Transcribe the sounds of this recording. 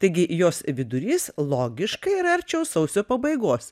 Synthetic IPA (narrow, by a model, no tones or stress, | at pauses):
t̪ɐɪɡʲɪjoːsʋʲɪd̪ʊɾʲiːslˠoːɡʲɪʃkɐɪɪɾɐɐɾʲt͡ʃʲɛʊsɐʊsʲoːpɐbɐɪɡoːs